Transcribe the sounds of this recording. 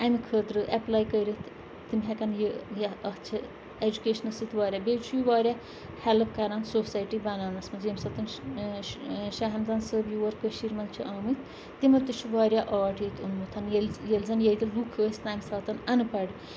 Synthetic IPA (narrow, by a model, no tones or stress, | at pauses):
ɐmikʰəːt̪ɾɨʔɐplaːjkəjɾit̪ʰ | t̪imɦɛkɐnjəjɐɐt͡ʃʰɐ | ed͡ʒukeːʃnɐsit̪ʰʋaːɾʲaːbeːt͡ʃʰuiʋaːɾʲjaː | hɛlɨpkɐɾansosaːjʈibɐnaːnɐsmɐzemsɐt̪ɐn | ʃaɦɐmzɐnsəbjuːʋɐɾkəʃiːɾmɐnt͡ʃʰuʔaːmɨt̪ʰ | t̪imɐt̪ɨt͡ʃʰuʋaːɾjaːʔaːʈit̪ʰunmut̪ʰɐnjeljelzɐnjɐjt̪ilɾukʰəːsʲt̪aːmʲsaːt̪ɐnɐnɨpɐɖ